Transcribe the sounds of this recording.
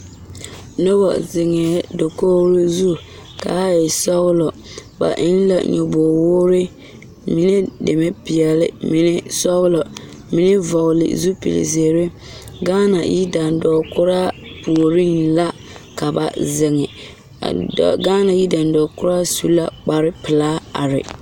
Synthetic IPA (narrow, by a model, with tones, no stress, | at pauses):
no˦bɔ̰˨zɪ˨ŋɛ˨˦do˨koː˦ɾi˦zu˦˨ | ka̰˨˦jɛ˨sɔ˦ɣlɔ˨ | ba̰˨ʔɪ̰˦n˦la̰˨ɲɔ˨bɔ˨wʊ˦ɾɪ˦ | mi˦ne˦de˨me˦pi˨ɛ˨lɪ̰˦mi˨nɪ˦sɔ˦ɣlɔ˨ | mi˦nɪ˦vɔ˨ɣlɪ̰˨zu˦pḭ˨lḭ˨ze˨ɾe˦ | ɡaː˦na̰˨jḭ˦da˨ndɔː˨kʊ˦ɾa˦pu˨o˨ɾi˦ŋla˦ | ka˨ba̰˨zɪ˨ŋɪ˨ | a̰˨dɔ̰˨ɡaː˦na˨ji˦da˨n˨dɔː˨kʊ˦ɾa˦su˦la˦k͡pa˨ɾɪ˦pɪ˨laː˦a̰˨ɾɪ̰˨